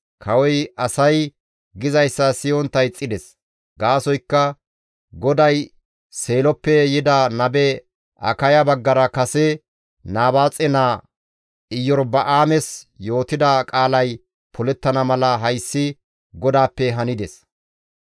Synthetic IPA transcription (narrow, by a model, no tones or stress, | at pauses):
kʰɐwɔjɐsɐj | ɡɪzɐjsːɐsɪjɔnt̪ːɐjt͡sʼːɪd̪ɛs | ɡaːsɔjkːɐ | ɡɔd̪ɐj | se̞ːlɔpːɛjɪd̪ɐnɐbɛ | ʔɐ̰kɐjɐbɐɡːɐɾɐkɐsɛ | naːbaːt͡sʼɛnaː | ɪjːɔɾbɐʔaːmɛsjo̞ːt̪ɪd̪ɐkʼaːlɐj | pʰɔlɛt̪ːɐnɐmɐlɐɦɐjsːɪ | ɡɔd̪aːpːɛɦɐnɪd̪ɛs